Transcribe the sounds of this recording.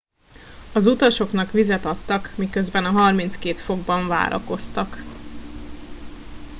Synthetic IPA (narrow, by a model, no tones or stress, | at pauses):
ɒzut̪ɒʃo̞knɒkʋizɛt̪ɒt̪ːɒkmikø̞zbɛnɒɦɒrmin̪t̪skeːt̪fo̞ɡbɒɱva̰ːɾʔɒ̰ko̞st̪ɒk